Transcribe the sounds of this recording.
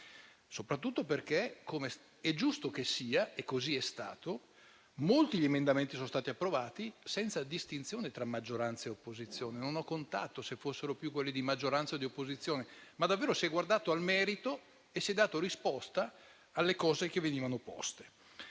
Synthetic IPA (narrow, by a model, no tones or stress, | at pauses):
sopɾat̪ːut̪ːoperkekʰome | ɛd͡ʒust̪okesiːaekːoziɛst̪a̰ːt̪o | molt̪iʎiemend̪ament̪isonost̪aːt̪iapːɾovaːt̪isɛnt̪sad̪ist̪int̪sjoːnet̪ɾamːad͡ʒːoɾant̪saeopːozit̪sːjoːnenonɔkːont̪a̰t̪ːosefːosːeɾopjukwelːid̪imad͡ʒːoɾant̪saod̪iopːozit̪sːjoːnemad̪avːeːɾosiɛɡward̪aːt̪oalmɛːɾit̪o | esiɛd̪aːt̪oɾispɔst̪aː | lːekɔːzek̟evːeniːvanopɔ̰st̪e̥